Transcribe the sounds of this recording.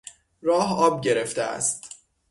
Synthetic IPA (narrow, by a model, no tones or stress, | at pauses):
rɒːɦɒːb̚ɟe̞ɾe̞ft̪eæ̰st̪